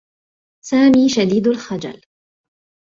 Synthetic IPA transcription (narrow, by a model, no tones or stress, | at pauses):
saːmiːʃad̪iːd̪alxad͡ʒa̰l